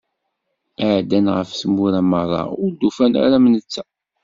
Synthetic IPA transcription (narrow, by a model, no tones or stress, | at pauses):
aʕd̪ænʁəfsəmːuɾæmərˤːɑ̰ʊɾd̪ːufæna̰ɾæmnət͡sːæ̥